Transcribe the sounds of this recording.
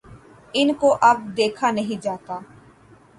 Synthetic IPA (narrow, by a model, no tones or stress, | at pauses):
ɪnkoʔɐb̚d̪eːkʰanɐɦĩd͡ʒaːt̪aː